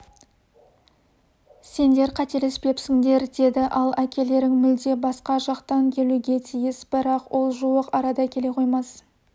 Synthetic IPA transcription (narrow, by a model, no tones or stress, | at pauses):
se̞nd̪e̞ɾqʰɑt̪e̞lespe̞psɪŋd̪e̞ɾd̪e̞d̪ɪʔɑlˠækʲʰe̞le̞ɾɪŋmʏld̪e̞bɑsqɑʒɑqt̪ɑŋkʲʰe̞luɡʲe̞t̪ʰijɪsb̥ɪɾɑqwʔo̞lˠʒuwəqɑɾɑd̪ɑkʲe̞le̞qʰo̞jmɑs